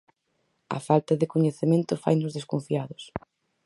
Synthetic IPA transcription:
ɐ̰falt̪ɐðɪkoɲeθemẽnt̪ʊfa̰jnʊzðeskõɱfiaðʊs

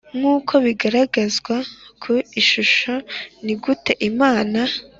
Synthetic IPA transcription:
ŋ̥uːkʰo̞βiɡaɾaɡazɡwakʰoiʃuʃo̞niɡute̞ʔimaːna

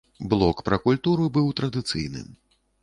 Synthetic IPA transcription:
blˠɔkpɾɐkulʲt̪uɾubɨwt̪ɾɐd̪ɨt̪sɨjnɨ̰m

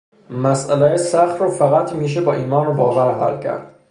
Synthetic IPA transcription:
mæsʔælejsæxt̪ɾɒːfæɣæt̪ʰmiːʃ̬ebɒːʔiːmɒːnɾbɒːvæɾɦæ̰lcʰæ̰ɾd̪̥

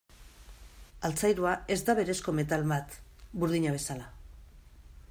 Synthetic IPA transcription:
alt͡sajɾuae̞zd̪aβ̞e̞ɾe̞sko̞me̞t̪alβat̪buɾðiɲaβ̞e̞sala

